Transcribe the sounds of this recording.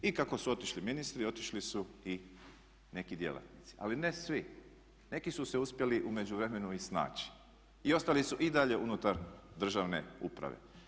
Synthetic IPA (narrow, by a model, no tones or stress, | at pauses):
ikako̞suo̞t̪iʃliminist̪ɾiot̪i̥ʃlisui | ne̞kid̪je̞̰la̰t̪nit̪si̥a̰line̞sʋi | ne̞kisuse̞uspje̞liʔume̞d͡ʑuʋɾe̞me̞nuisna̰ːt͡ɕi̥ | io̞st̪alisuʔid̪aʎe̞ʔunut̪aɾd̪r̩ʒaʋne̞̰ṵpɾa̰ʋḛ